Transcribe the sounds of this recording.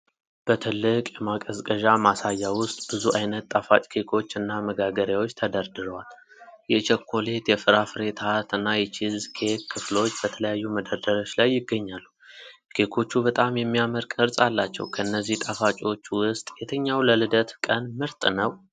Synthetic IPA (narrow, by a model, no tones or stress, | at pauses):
b̥ət̪ʰɨlːɨkʼjɛmakʼəzkʼəʒamasajːawʊst̪ʼbɨzuʔajnət̪ːʼafat͡ʃʼkʰe̞kʰo̞t͡ʃːɨnːaməɡaɡəɾjawo̞t͡ʃːt̪ʰəd̪əɾd̪ɨɾəwal | jɛt͡ʃʰɛkʰːo̞le̞t̪jɛfɨɾafɨɾe̞t̪ʰat̪ɨnːajɛt͡ʃʰizkʰe̞kʰːɨflo̞t͡ʃːb̥ət̪ʰələjajːuməd̪əɾd̪əɾo̞t͡ʃːlajːɪɡːəɲːalːu | kʰe̞kʰo̞t͡ʃːubət̪ʼamjɛmːijaməɾkʼɨɾsʼalːat͡ʃːɛ̰wkʰəɨnːəzːiht̪ʼafat͡ʃʼo̞t͡ʃːwʊst̪ʼjɛt̪ʰəɲːawləlɨd̪ət̪kʼənmɨɾt̪ʼnəw